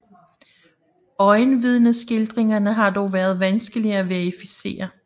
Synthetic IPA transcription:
ɒ̽ɪnʋið̞ˠnəsɡ̥e̝ld̥ʁeŋɐnəɦɑ̈d̥ɒʊʋæːɐð̞̩ˠʋænsɡ̥əliæʋæɐefise̝̰ːɐ

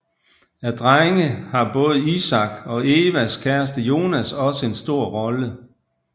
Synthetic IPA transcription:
æd̥ʁaɪŋəhɑ̈b̥ɔ̽ːð̞̩ˠisɑ̈ɡ̥ɒ̽e̝ːʋæskʰæɐsd̥əjo̝ːnæsɒ̽səe̝nsd̥o̝ɐ̰ʁɒ̽lə

